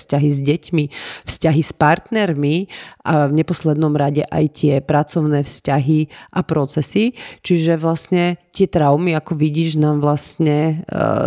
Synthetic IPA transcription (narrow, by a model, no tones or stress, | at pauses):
scaɦizɟɛcmifscaɦispaɾt̪nɛɾmiʔavɲɛpɔslɛd̪nɔmɾaɟɛʔa̰jt̪ɪɛpɾat͡sɔʊnɛːfscaɦiʔapɾɔt͡sɛsit͡ʃiʒɛʋlasɲɛt̪ɪɛt̪ɾaʊmiakɔʋiɟiːʒnaːmʋlastɲɛ